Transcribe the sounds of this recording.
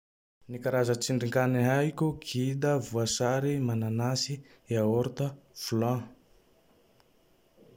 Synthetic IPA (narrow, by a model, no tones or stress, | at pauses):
nikaɾazət͡siɳɖ͡ʐiŋkaniajkʲuɡʰid̪əvuasaɾimananasi | aoɾt̪əfulã